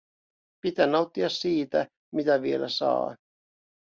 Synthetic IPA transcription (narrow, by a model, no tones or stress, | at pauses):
pit̪ænːɑwt̪ːiɑsiːt̪æ | mit̪æʋielæsɑ̰ː